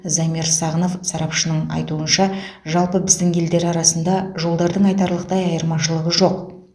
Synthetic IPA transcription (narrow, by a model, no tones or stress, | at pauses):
zɑmiɾsɑʁəno̞fsɑɾɑpʃənəɴɑ̰jt̪uənʃɑʒɑlˠpəbɪzd̪ɪŋʲe̞ld̪e̞ɾɑɾɑsənd̪ɑʒo̞lˠd̪ɑɾd̪əɴɑjt̪ɑɾlˠəq̚t̪ɑjɑjəɾmɑʃəlˠəʁəʒo̞q